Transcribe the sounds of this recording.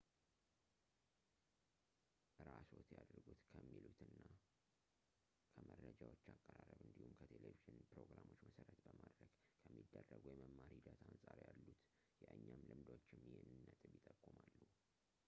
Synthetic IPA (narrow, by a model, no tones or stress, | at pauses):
ʔɨɾaso̞t̪jad̪ɾɡut̪kʰəmːilut̪ɨnːa | kʰəmʔəɾːəd͡ʒawot͡ʃːakʼːəɾarəbɨnd̪ihumkʰət̪ʰeleviʒɨnpɾo̞ɡɾamo̞t͡ʃːməsəɾət̪bəmad̪ɾəɡ̥kʰəmːid̪ːərːəɡujɛməmːaɾihid̪at̪ʰansʼaɾjalːut̪ | jɛʔəɲːamlɨmd̪ot͡ʃːɪmːjenɨnːət̪ʼɨβjɪt̪ʼːəkʼːumalːuh